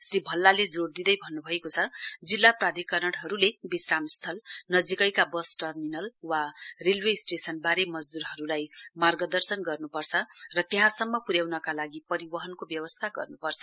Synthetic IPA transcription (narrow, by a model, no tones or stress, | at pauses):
sribʱʌlːaled͡zoɽd̪id̪ʌjbʱʌnːubʱʌekot͡sʰʌd͡zilːaprad̪ʱikʌrnʌɽɦʌɾulebisramst̪ʰʌlnʌd͡zikʌjkabʌsʈʌrminʌlwarelwesʈesʌnbaɾemʌd͡zd̪uɾɦʌɾulajmarɡʌd̪ʌrsʌnɡʌrnupʌrt͡sʰʌrʌt̪eɦãsʌmːʌpuɾjawnʌkalaɡipʌɾibʌɦʌnkobjʌwʌst̪ʰaɡʌ̰rnupʌrt͡sʰʌ